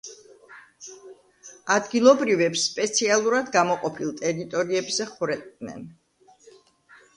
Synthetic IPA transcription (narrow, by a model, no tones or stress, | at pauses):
ad̪ɡilˠɔbɾivɛpsːpʼɛt̪sʰialˠuɾad̪ɡamɔqʼɔpʰilˠt̪ʼɛɾit̪ʼɔɾiɛbzɛχuɾɛt̪ʼnɛ̰n